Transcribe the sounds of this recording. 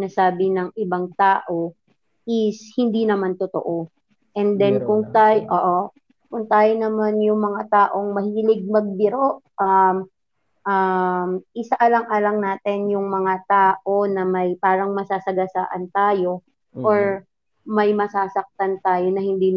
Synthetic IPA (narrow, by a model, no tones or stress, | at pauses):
nasaːbɪnɐŋʔɪbaŋt̪aːʔo̞ | ʔɪshɪnd̪inɐmant̪ot̪o̰ʔo | ʔɛnd̪ɛnkʊŋt̪ajʔoːʔo | kʊŋt̪aːjonɐmanjʊŋmɐŋat̪aːʔo̞ŋmɐhɪɪlɪɡ̚mɐɡ̚bɪɾoʔʔɐm | ʔamʔɪsaʔɐlɐŋʔɐlɐŋnaːt̪ɪnjʊŋmɐŋat̪aːʔo̞nɐmɐjpaːɾɐŋmɐsaːsɐɡɐsa̰ːʔɐnt̪aːjo̞ | ʔoɹ | mɐjmɐsaːsɐk̚t̪ant̪aːjo̞nɐhɪnd̪iːn